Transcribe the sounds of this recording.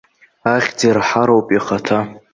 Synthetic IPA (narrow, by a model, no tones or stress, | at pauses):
aχʲd͡zerħaɾowpʼiχatʰa